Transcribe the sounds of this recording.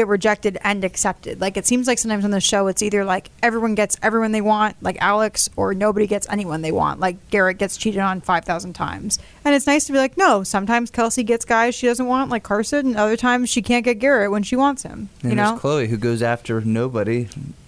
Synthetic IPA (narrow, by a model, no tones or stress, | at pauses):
ɡɨt̚ɹɨd͡ʒɛk̚tɨɾɨ̃nɨksɛp̚tɨ̰d̥laɪkɨtsĩmzlaɪksʌ̃mtãɪ̃mzn̩ðɪsʃoʊɨtsiðə˞laɪkɛvɹiwʌ̃nɡɛtsɛvɹiwʌ̃nðeɪwɑ̃ntlaɪkælˠəksə˞noʊbɨɾiɡɛtsɛ̰niwʌ̃nðeɪwɑ̰̃nʔlaɪk̚ɡ̥ɛɹɨt̚ɡ̥ɛtst͡ʃʰiɾɨɾn̩faɪv̥θaʊzn̩tʰã̰ɪ̃mz̥ | ɨ̃ñɨtsnaɪstʰəbilaɪk̚noʊsʌ̃mtʰãɪ̃mz̥kʰɛlˠsiɡɛtsɡ̥aɪz̥ʃidʌzə̃nʔ̚wɑ̃nʔlaɪkʰːɑɹsɨɾɨ̃n̩ʌðə˞tʰãɪ̃mz̥ʃikʰæ̃n̚ɡ̥ɛt̚ɡ̥ɛɹɨt̚wə̃nʃiwɑ̃ntshɪ̰̃mɨ̃ɨnokʰl̥oʊiɦʉɡoʊzæftʰə˞noʊbɨɾi